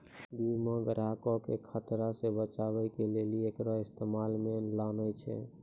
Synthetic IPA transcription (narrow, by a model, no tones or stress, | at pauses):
bimə̃ɡɾakɔkekʰət̪ɾasebət͡ʃabəjkeleliekɾɔist̪emalmelaʊnəjt͡ʃʰɛ̰